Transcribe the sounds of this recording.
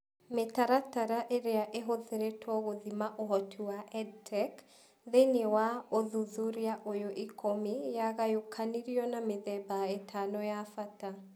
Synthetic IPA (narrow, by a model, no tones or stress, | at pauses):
metaɾataɾaʔeɾeaʔeɦoðeɾetʰɔɣoðimaʔoɦɔtʰuwaʔɛd̚tʰɛk | ðenewaoðuðuɾijaʔojoʔikomijaɣajokʰaniɾiɔnameðɛbaetʰanɔjafata